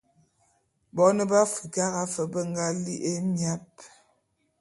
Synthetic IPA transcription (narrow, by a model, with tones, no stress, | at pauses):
bɔ˨˦nə˦ba˦fu˨ka˦ɣa˦fə˨bə˦ŋ˦ɡa˦li˦ʔe˦mja˦p̚